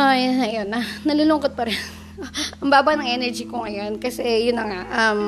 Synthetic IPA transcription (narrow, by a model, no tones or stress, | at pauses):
aj̪ɐɐjonɐnɐluːlʊŋkot̪̚pɐɾɛn | ʔɐŋbaːbɐnɐŋʔɛnɛɹd͡ʒikoŋɐjo̞nkɐsɛjʊnːɐŋaʔɐm